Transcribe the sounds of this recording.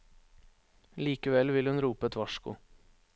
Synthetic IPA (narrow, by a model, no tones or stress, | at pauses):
liːkəʋɛlʋɪlhʉnɾuːpəɛt̪ʰʋɑʃkʊ̰